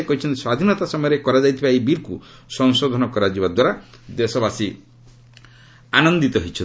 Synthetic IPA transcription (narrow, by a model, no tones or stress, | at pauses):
ekɔɦit͡ʃʰɔnt̪i̥swad̪ʱinɔt̪asɔmɔjɔɾekɔɾad͡ʒajt̪ʰibaebiɾkusɔŋsod̪ʱɔnɔkɔɾad͡ʒibad̪waɾa | d̪esɔbasi | anɔnd̪it̪ɔɦit͡ʃʰɔ